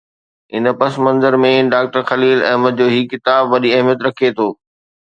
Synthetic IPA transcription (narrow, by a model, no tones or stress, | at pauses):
ɪn̆pɐsmɐ̃nzəɾmẽɖaːk̚ʈəɾxɐliːlɛ̃ːɦməd̪̚d͡ʑoːɦiːkɪt̪aːbʋɐɗiɐɦmijət̪ɾɐkʰiet̪ʰoː